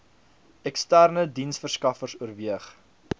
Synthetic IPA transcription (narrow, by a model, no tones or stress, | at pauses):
ɛkstærnədinsfərskɐfərsuərviəχ